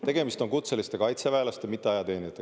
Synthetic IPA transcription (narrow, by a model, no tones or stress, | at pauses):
t̪e̞ɡ̥e̞mist̪o̞ŋkut̪se̞list̪e̞kɑjt̪sevæelɑst̪emit̪ˑːeɑjɑt̪e̞ːnit̪ːe